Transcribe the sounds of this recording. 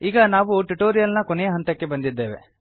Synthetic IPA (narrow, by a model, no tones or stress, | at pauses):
iːɡɐnaːʋuʈuʈoːɾijɐlnɐkɔnejɐɦɐnt̪ɐkːe̞bɐnd̪id̪ːe̞ːʋe̞̰